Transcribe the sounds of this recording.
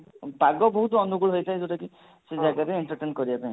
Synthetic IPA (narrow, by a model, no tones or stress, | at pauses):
bʱaɡɔbɔɦut̪ɔɔnuɡuɭɦojtʰajd͡ʒoʈaki | sed͡ʒaɡaɾeeɳʈɔɾʈenkɔɾibapaĩ